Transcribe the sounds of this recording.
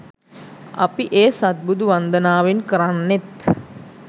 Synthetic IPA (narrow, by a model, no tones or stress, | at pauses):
a̰piʔeːsat̪̚bud̪uʋand̪ənaːʋenkəɾanːet̪